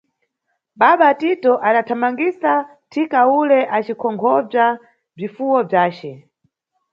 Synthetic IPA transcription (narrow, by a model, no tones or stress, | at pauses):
ɓaɓatitɔʔaɗatʰamaŋɡisa | tʰikaulɛʔat͡ʃikʰɔŋɡʰɔb͡ʐa | b͡ʐifuwɔb͡ʐaːt͡ʃɛ